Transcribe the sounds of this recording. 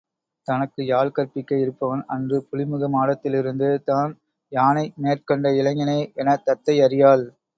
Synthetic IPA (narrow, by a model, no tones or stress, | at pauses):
t̪ɐnɐkːɯjaːɭkɐɾpɪkːɐjɪɾɯpːɐʋɐnɐndrɯpʊlɪmɯɣɐmaːɽɐt̪ːɪlɪɾɯnd̪ɯt̪aːn | jaːnɐɪneːrkɔɳɖɐɪlɐŋɐnɐːɛnɐt̪ɐt̪ːɐɪɐɾɪjaːl